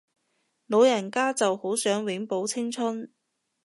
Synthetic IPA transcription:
lo˨˧wjɐ˨˩nkaː˥t͡sɐ˨who˨˥wsœː˨˥ŋwɪ˨˥ŋpo˨˥wt͡sʰɪ˥ŋt͡sʰʊ˥n

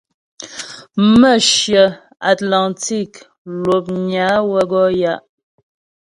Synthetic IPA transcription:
mə˦˨ʃjə˨ | a˨tla˨nti˦˨k | lwo˨p̚ɲa˨˦wə˦ɡɔ˦ja˦ʔ

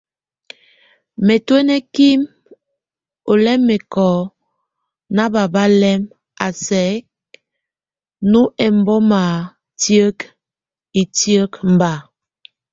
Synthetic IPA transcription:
me˨twe˦nɛ˦ki˦m | o˨lɛ˦mːe˨kɔ˨˦ | na˦ba˨ba˦lɛ˦m | a˨sɛ˨˦ | nu˦ʔɛ˨m˦bɔ˦ma˨ | tjə˦k | i˨tjə˦km̩˨ba˨

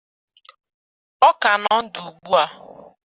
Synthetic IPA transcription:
ɔ˦ka˨nɔ˦n̩˦du˨ɡ͡bu˦a˦

